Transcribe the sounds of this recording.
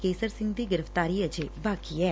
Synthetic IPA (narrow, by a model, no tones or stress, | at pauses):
keːsəɾsɪ̃ŋɡd̪iːɡɪɾəfʰt̪aːɾiːəd͡ʒeːbaːkiːɛː